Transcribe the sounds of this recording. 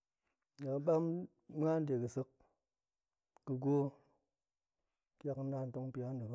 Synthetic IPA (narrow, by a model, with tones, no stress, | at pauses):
ɲa˨ɓa˦m | m˦a˦n˦de˨kɨ˨sɨ˧k | ɨ˧ɡʷo˦ | ka˦kna˦˨n˦to˦ŋ˦pi˨˦a˦n˦de˨k